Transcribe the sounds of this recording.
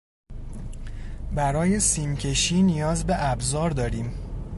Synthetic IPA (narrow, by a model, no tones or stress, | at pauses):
bæɾɒːje̞siːmcʰe̞ʃiːnijɒːzbe̞ʔæbzɒːɾd̪ɒːɾiːm